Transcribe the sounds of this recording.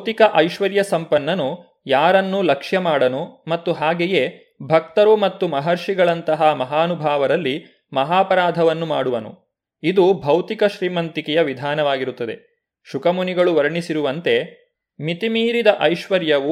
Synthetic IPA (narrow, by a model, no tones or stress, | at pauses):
t̪ikɐʔɐjʃʋɐɾjɐsɐmpɐnːɐnu | jaːɾɐnːulɐkʂjɐmaːɽɐnumɐt̪ːuɦaːɡeje̞ | bʱɐk̚t̪ɐɾumɐt̪ːumɐɦɐɾʂiɡɐɭɐnt̪ɐɦɐmɐɦaːnubʱaːʋɐɾɐlːi | mɐɦaːpɐɾaːd̪ʱɐʋɐnːumaːɽuʋɐnṵ | id̪ubʱɐwt̪ikɐʃɾiːmɐnt̪ikɛjɐʋid̪ʱaːnɐʋaːɡiɾut̪ːɐd̪e̞̰ | ʃukɐmuniɡɐɭuʋɐɾɳisiɾuʋɐnt̪e̞ | mit̪imiːɾid̪ɐʔɐjʃʋɐɾjɐʋu